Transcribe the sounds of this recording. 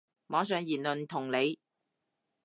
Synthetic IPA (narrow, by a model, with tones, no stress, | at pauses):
mɔː˨˥s̬œː˨˧ŋjiː˨˩nlɵ˨nt̪ʰʊ˨˩ŋle˨˧j